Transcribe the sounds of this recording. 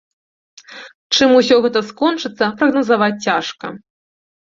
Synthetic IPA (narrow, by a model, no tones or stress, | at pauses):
t͡ʂɨmusʲɔɣɛt̪ɐskɔnt͡ʂɨt̪sːɐpɾɐɣnɐzavat͡sʲt͡sʲaʂkɐ